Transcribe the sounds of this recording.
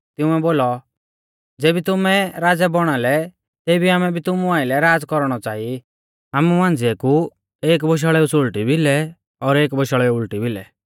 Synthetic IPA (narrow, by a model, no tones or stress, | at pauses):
t̪ɪʊ̃ɛboːlɔ | d͡zeːbit̪ʊmɛɾaːd͡zɛbɔɽ̃alɛ | t̪ebʱiaːmɛbʱit̪ʊmũaːɪlɛɾaːd͡zkɔɾɽ̃ɔt͡saːi | amumãnd͡zɪɛku | eːk̬bɔʃ̬aɭɛusolʈibʱilɛ | ɔːɾeːkbɔʃaɭɛuʊlʈibʱilɛ